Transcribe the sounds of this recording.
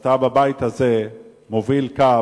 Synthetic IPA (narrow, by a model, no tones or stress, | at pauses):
tababait̪haze | movilka